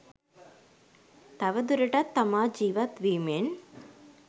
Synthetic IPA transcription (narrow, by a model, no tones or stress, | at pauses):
t̪ɐʋɐd̪uɾɐʈɐt̪ːɐmaːd͡ʒiːʋɐt̪ʋiːmen